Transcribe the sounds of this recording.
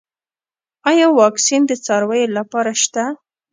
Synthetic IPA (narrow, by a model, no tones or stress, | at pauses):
ɑjɑwɑksind̪ət͡sɑɾwajelapɑɾaʃt̪a